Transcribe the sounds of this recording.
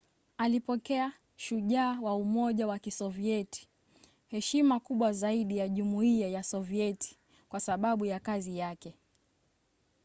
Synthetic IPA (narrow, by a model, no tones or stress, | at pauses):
alipɔkɛa | ʃuʄaːwaumɔʄawakisɔviɛti̥ | hɛʃimakuɓwazaiɗijaʄumuiajasɔviɛti̥ | kwasaɓaɓujakazijakɛ